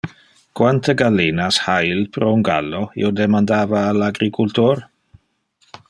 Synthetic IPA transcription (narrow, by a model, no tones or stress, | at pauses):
kwant̪ʰəɡalinashailpɾounɡa̰lːoḭod̪emand̪aːvaːlaɡɾikʰult̪oɾ